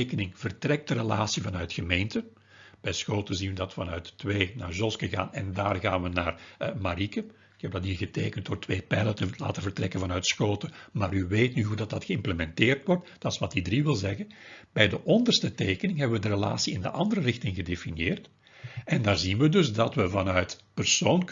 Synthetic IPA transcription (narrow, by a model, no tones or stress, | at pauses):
ekənɪŋv̥ərtrɛk̚dəɾəla̰ːsivɑnœɥtɣəmeːntə | b̥ɛjsxoːtəzinʋədɑtfɑnœɥtːweːna̰ːrzɔskəɣa̰ːnɛndaːrɣaːnʋənaːrmaɾikə | ɪkɛb̚dɑtɦiːrɣətḛːkənt̚doːrtʋeːpɛjlətəla̰ːtəvərtrɛkənvɑnœɥtsxoːtəma̰ːɾyʋeːtnyɦudɑt̚dɑtxəɪmpləmɛnteːrtʋɔrtd̥ɑtɪ̥sʋɑtidriʋɪlˠzɛɣənb̥ɛjdəʔɔndərstəteːkənɪŋɦɛbəʋədəɾəla̰ːsiɪndəʔɑndəɾərɪxtɪŋɣədefinjeːrt | ɛndaːrzinʋədɵzdɑtʋəvɑnœɥtpərsoːn